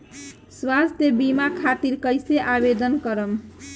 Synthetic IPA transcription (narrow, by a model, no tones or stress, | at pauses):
swad͡zt̪ebimakʰat̪iɾkəjseʔabed̪ənkʌɾəm